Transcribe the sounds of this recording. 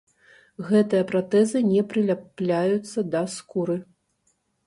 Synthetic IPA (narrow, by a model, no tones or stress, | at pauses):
ɣɛt̪ɨjɐpɾat̪ɛzɨnʲɛpɾɨlʲaplʲajut̪sːɐd̪ɐskuɾɨ